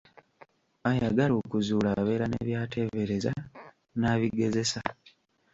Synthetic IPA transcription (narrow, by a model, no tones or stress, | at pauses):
ajaɡaloːkuzuːlaβe̞ːɾane̞̰ːβjaːtʰe̞βe̞ɾe̞za | naːβiɡe̞ze̞sa